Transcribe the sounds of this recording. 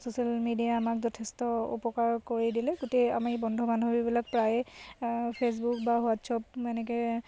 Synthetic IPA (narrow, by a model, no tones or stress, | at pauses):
sosialmidijaːmakzɔtʰestɔṵpɔkaɹkoɹidilɛɡotea̰mibɔndʱɔbanɦobibilak̚pɹaj | pʰes̬bukbaɦʊatsɔp̚mɛnɛkɛ